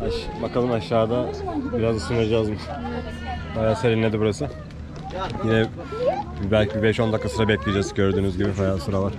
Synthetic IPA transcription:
haʃbakʰalˠɯmaʃːaːd̪abiɾazd̪asunad͡ʒaːzmɯʃn | bajaːseɾinːʲed̪ibuɾasɯ | jinɛ | bælʲcʰibibɛʃo̞nd̪akʰːasɯɾabɛclʲijed͡ʒɛzɟø̞ɾd̪yːnyzɟibifajalˠsɯɾavaɾ̥

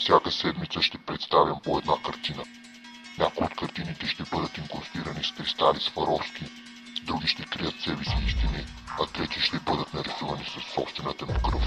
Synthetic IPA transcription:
fsʲjakəsɛd̪mit̪səʃt̪ɛpɾɛt̪st̪avʲjɐmpoɛd̪nakɐɾt̪inə | nʲakojot̪kɐɾt̪init̪ɛʃt̪ɛbɤd̪ət̪iŋkost̪iɾəniskɾist̪alisfɐɾɔfski | d̪ɾuɡʲiʃt̪ɛkɾijət̪sɛvisiist̪iniat̪ɾɛt̪iʃt̪ɛbɤd̪ət̪nɐɾɛsuvɐnisɐsːɔpst̪vɛnət̪ənfkɾəf

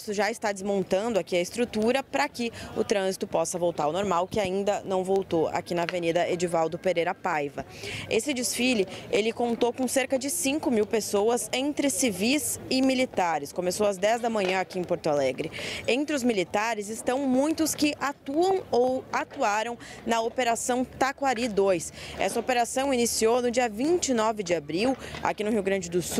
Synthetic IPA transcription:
sʊʒaɪst̪ad͡ʒɪzmõnt̪ɐ̃nd̪ʊakiɐɪst̪ɾut̪uɾɐpɾɐkɪʊt̪ɾɐ̃zit̪ʊpɔsɐvowt̪aɾʊnoɾmawkɪaĩnd̪ɐnɐ̃w̃vowt̪oa̰kinɐːvenid̪ɐʔed͡ʒivawd̪ʊpeɾejɾɐpajvɐ | esɪd͡ʒɪsfilɪelɪkõnt̪okõw̃seɾkɐd͡ʒɪsĩŋkʊmiwpesoɐzẽnt̪ɾɪsivizɪmilit̪aɾɪskomesowɐzd̪ɛzd̪ɐmɐ̃ɲɐ̃akiẽj̃poɾt̪ʊalɛɡɾɪẽnt̪ɾɪʊzmilit̪aɾɪzɪst̪ɐ̃w̃mũj̃t̪ʊskɪʔat̪uɐ̃w̃owat̪uaɾɐ̃w̃nɐopeɾasɐ̃w̃t̪akwaɾid̪ojsɛ̰sɐopeɾasɐ̃w̃inisionʊd͡ʒiɐvĩnt͡ʃɪnɔvɪd͡ʒɪabɾiwa̰kinʊɦiwɡɾɐ̃d͡ʒɪd̪ʊs

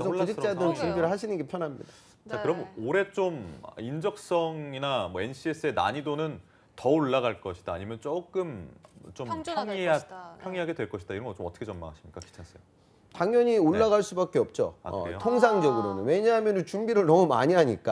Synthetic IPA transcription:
sʌkud͡ʑʰit͡ɕ͈adɯɾɯnt͡ɕumbiɾɯɭɦaɕʰinɯnɡepʰjʌnɦamɲḭda | t͡ɕakɯɾʌmoɾe̞t͡ɕ͈om̰ind͡ʑʌk̚s͈ʌŋinamʌe̞nɕ͈ʰies͈ɯe̞na̰ɲidonɯn | tʌoɭːaɡaɭk͈ʌɕʰid̥aːɲimjʌnt͡ɕ͈ok͈ɯmt͡ɕomŋpʰjʌŋiɦaɡe̞dwe̞ɭk͈ʌɕʰi̥d̥aiɾʌnɡʌt͡ɕomʌt͈ʌ̥kʰet͡ɕʌmːa̰ŋaɕʰimɲik͈aki̥t͡ɕʰas͈ej | taŋjʌɲioɭːaɣaɭs͈ubak͈e̞ʌp̚t͡ɕ͈o̰aʌ̰ɾḛotʰoŋsʰaŋd͡ʑʌɡɯɾonɯ̰nwe̞ɲaɦamjʌnɯnt͡ɕumbiɾɯɭnʌmuma̰ɲiɦaɲik͈a

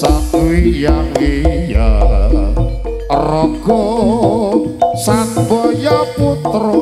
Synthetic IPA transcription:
sat̪uijawija | ɾɔɡ̥ɔ | sat̪bɔjaput̪ɾo

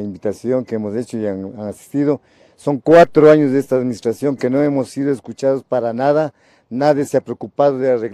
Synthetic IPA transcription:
imbit̪asjoŋkeemoset͡ʃoiaanasi̥st̪iðo | soŋkwat̪ɾoaɲozðeest̪aːðminist̪ɾasjoŋkenoemosːið̞oeskut͡ʃaðospaɾanaða | naðjeseapɾeokupað̞oðeareɣ

